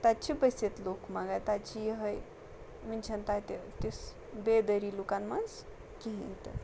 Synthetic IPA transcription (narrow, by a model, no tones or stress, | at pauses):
t̪at͡ʃʰibəset̪lokmaɡat̪at͡ʃʰijɦəj | mɨnʲt͡ʃʰɐnt̪at̪et̪is | bed̪əɾilukanmans | kiɦĩt̪ɨ̰